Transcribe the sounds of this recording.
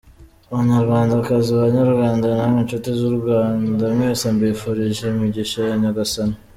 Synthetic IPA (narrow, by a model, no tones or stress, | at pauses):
uβaɲaɾɡaːndakaziaβaɲaɾɡwaːndanaminʃotizuɾɡwaːndamŋeːsambifuɾiʒeimiɟiʃajaɲaɡasana